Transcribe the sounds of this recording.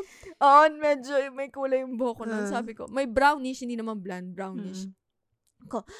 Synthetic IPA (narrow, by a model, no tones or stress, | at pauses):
ʔoʔonmɛd͡ʒomɐjkuːlɐjʊŋboːkononssaːbɪko̰mɐjbɾawniʃhɪnd̪iːnɐmanbland̪̚bɹawniʃ | ko